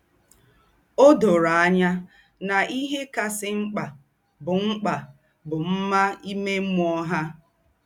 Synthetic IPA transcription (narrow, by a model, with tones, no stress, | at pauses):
o˦do˨ɾa˨a˦ɲa˦ | na˨ʔi˦ɦe˦ka˨sɪ˦ŋ͡m̩˦k͡pa˨ | bʊ˨ŋ͡m̩˦k͡pa˨ | bʊ˨m̩˦ma˦i˦me˦m˦ɔ˦ɦa˦